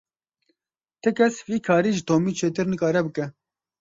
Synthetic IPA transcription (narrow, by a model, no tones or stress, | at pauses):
t̪ʰɨkʰɛsviːkʰɑːɾiːʒɨt̪ʰoːmiːt͡ʃʰeːt̪ɨɾnɨkɑːɾɛbɨkɛ